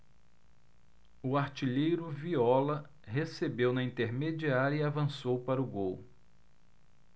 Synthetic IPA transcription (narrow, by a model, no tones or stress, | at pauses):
ʊaɾt͡ʃiʎejɾʊviɔlɐ | ɦesebewnɐĩnt̪eɾmed͡ʒiaɾjɐiavɐ̃sowpaɾɐʊɡow